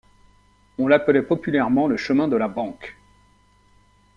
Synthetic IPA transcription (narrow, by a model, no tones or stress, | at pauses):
ɔ̃lapəlɛpɔpylɛʁmɑ̃ləʃəmɛ̃d̪əlabɑ̃k